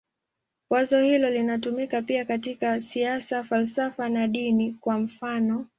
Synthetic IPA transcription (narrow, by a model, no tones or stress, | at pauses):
wazɔhilɔlinatumikapiakatikasiasafalsafanaɗinikwam̩fanɔ